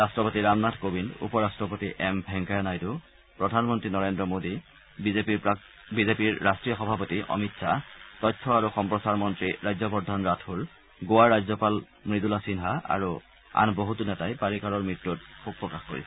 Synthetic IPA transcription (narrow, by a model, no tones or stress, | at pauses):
ɹastɹɔpotiɹamnatkobinṵpɔɹastɹɔpotiʔɛmbʱɛŋkajanajtʊ | pɹɔdʱanmɔntɹinɔɹendɔmodi | epi | bizepiɹːastɹijɔxɔbʱapotiʔɔ̰mitsatɔjtʰːɔaɹuxɔmpɹɔsaɹmɔntɹiɹajzɔbɔdʱɔnɹatʰul | ɡowaɹːajzɔpal | mɹidulasinɦaa̰ɹu | a̰nboɦutunɛtajpaɹikaɹɔɹmɹitːut̚xuk̚pɹɔkaxkoɹḭsɛ